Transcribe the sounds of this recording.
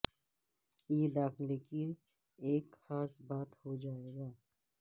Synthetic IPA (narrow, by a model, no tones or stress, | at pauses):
jeːd̪aːxleki | eːkxaːsbaːt̪hod͡ʒaːeːɡaː